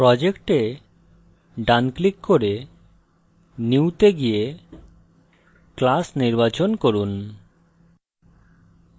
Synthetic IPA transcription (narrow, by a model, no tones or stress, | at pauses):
pɾɔd͡ʑekʈe | ɖanklikːoɾe | niwt̪eɡije | klasniɾbat͡ɕonkoɾun